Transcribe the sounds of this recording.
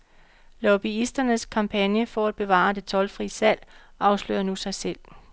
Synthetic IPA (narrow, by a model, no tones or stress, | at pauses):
lɒb̥iisd̥ɐnəskʰɑ̈mpʰænjəfɒæd̥̚b̥e̝ʋɑ̰̈ːd̥e̝t͡sʰɒ̽lfʁiːəsæl̰ʔɑ̈ʊslø̰ːɐnusɑ̈ɪsel̰